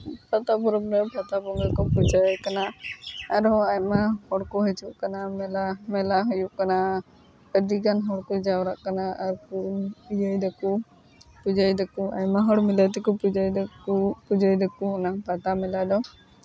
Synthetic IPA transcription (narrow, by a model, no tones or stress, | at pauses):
pʰat̪apɔɾɔbɾɛbʱat̪abɔŋɡɛkɔpud͡ʒajkanaaɾɔajmahɔɽkɔɦɛt͡ʃuʔkanamɛlamɛlaɦɔjuʔkana | pəd̪iɡanɦɔɽkɔd͡ʒawɾaʔkanaaɾkuujəjd̪aku | pud͡ʒajd̪akua̰jmaɦɔɽmilajt̪̬ɛkɔpud͡ʒajd̪upud͡ʒajd̪ɔkunabʰʱat̪amɛlad̪ɔ